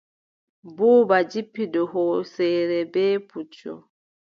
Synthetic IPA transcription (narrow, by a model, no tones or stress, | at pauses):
buːbad͡ʒipːidɔɦɔsɛɾɛbɛːput͡ʃɔ̰